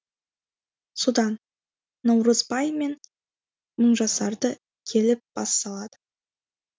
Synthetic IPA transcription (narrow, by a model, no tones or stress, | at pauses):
sud̪ɑnː | ɑwɾəzbɑjme̞n | məɴʒɑsɑɾd̪ə | kʲʰe̞lɪp̚b̥ɑsːɑlˠɑd̪ə